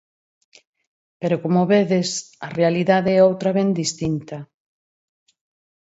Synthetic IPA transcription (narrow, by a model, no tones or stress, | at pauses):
peɾokomoβeðesɐrealiðaðeɛowt̪ɾaβɛnd̪ist̪int̪a